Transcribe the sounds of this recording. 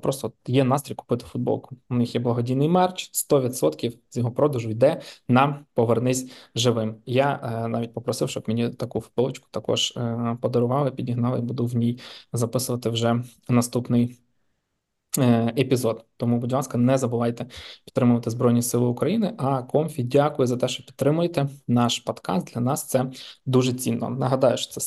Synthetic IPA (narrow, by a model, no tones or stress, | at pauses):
pɾɔst̪ɔjɛn̪ɑst̪ɾʲijʲkʊ̥pɪt̪ɪ̥fʊd̪̚bɔ̰lˠkʊ̥ʊnɪxjɛblˠɐɦɔdʲijnɪjmɛrt͡ʃst̪ɔʋʲid̪sɔt̪kʲiwz̥ʲjɔɦɔpɾɔd̪ʊʒʊjd̪ɛnɑmpɔʋernɪsʲʒɪʋɪmjanɑʋʲit̚ʲpɔpɾɔsɪfʃt͡ʃɔbmʲinʲit̪ɐkufʊ̥pɪlˠɪt͡ʃkʊ̥t̪ɐkɔ̰ʒ̥pɔd̪ɔɾʊʋɑlˠɪpʲidʲiɦnɑlˠɪibud̪ʊwnʲijzɐpɪsʊʋɐt̪ɪwʒɛ | nɐst̪upnɪj | epʲizɔd̪t̪ɔmubʊdʲʋˠɑskɐnɛzɐbʊʋɑjt̪ɛpʲt̪t̪ːɾɪmʊʋɐt̪ɪzbɾɔjnʲisɪlˠɪʊkɾɐjinɪʔɐkɔmʲfʲidʲakʊjʊzɐt̪ɛʃt͡ʃɔpʲit̪t̪ːɾɪmʊjet̪ɛnɑʃpɔd̪kɑ̰st̪d̪lʲɐnɑst̪sɛd̪uʒɛt͡sʲinːɔ̰nɐɦɐd̪ɑjʊʃt͡ʃɔ̥sɛ